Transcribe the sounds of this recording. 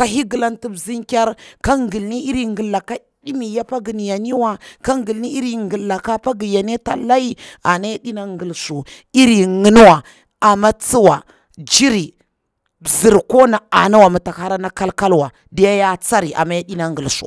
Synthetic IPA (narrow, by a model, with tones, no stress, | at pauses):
ka˦ɦi˦ɡə˨la˦nti˦bzi˦ŋkʲa˦ɾka˦ŋɡə˨lni˦i˦ɾi˦ŋɡə˨lːa˨ka˦ | ɗi˦mi˨ja˦pa˦ɡi˨n˨ja˨ni˦wa˦ka˦ŋɡi˨li˦i˦ɾi˦ŋɡə˨lːa˨ka˦pa˦ɡi˨ja˨ne˦ta̰˨la˦i˦a˨na˦ja˦ɗi˦na˦ŋɡə˨lsu˨ | i˦ɾi˨ŋə˨n˦wa˨ | a˨ma˦t͡si˦wa˨ | d͡ʒi˦ɾi˨ | bzi˨ɾko˦na˨a˨na˦wa˨mu˨ta˨ha˦ɾa˦na˦ka˦lka˦lwa˨ | di˦ja˦ja˦t͡sa˦ɾi˨ʔa̰˨ma˦ja˦ɗi˦na˦ŋɡə˨lsṵ˨